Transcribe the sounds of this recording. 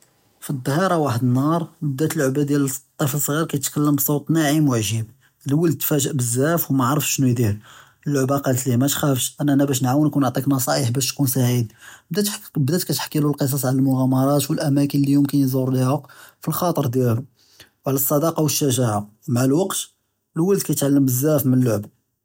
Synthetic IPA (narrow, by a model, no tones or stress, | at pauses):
fid̪ˤːɑhɑɾˤɑwaħəd̪ənːɑɾˤbəd̪æt̪əlʕbæd̪jælst̪ˤːifəlsˤɣiɾkæjt̪kælːəmbsˤowt̪ˤnæʕimwəʕʒim | lwəld̪̚t̪fæʒəʔbəzːæfwmæʕɾˤəfʃnujd̪iɾ | əlːʕbaqɑlt̪limæt̪xæfʃʔænːʔænæbæʃnʕawənkunʊʕt̪ˤiknɑsˤɑʔəħbæʃt̪kunsaʕid̪bd̪æt̪bd̪æt̪kæt̪ħkːilulqəs̬ˤɑsˤʕalælmʊɣæmɑɾˤɑt̪wəlʔæmækənlijʊmkənjəzʊɾˤlihəqfilxɑt̪ˤəɾˤd̪jælhu | wʕlæsˤːɑd̪ɑqɑwəʃːæʒaʕamaʕlwɑqt̪ | lwæld̪̚kæjt̪ʕalːəmbəzːæfmənəlːʊʕb